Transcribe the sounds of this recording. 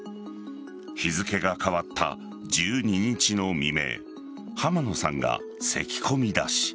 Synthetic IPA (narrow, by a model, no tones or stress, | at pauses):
çizɨke̞ɡakaβat̪ʰːa̰ | d͡ʑɨːɲ̟iɲ̟it͡ɕino̞mʲime̞̰ | hamano̞sã̰ŋɡa̰ | se̞̰kʲi̥kʰo̞mʲid̪a̰ɕi̥